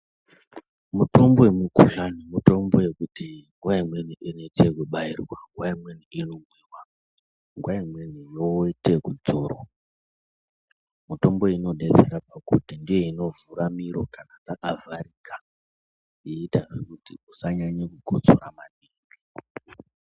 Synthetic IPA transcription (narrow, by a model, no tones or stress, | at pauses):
muto̞mbo̞wemukuɬanimuto̞mbo̞je̞kutiŋɡwaimwe̞nuinoitekuɓairwaŋɡwaimwe̞nuinomwiːwa | ŋɡwaimwe̞nujoite̞kud͡zoːro̰ | muto̞mbo̞ino̞ɗed͡zeɾapakṵtindije̞ino̞vuɾamiɾo̞kanad͡zakavaɾika | iːtarwekutiusaɲaɲakuɡʱot͡so̰ɾamaniːŋɡi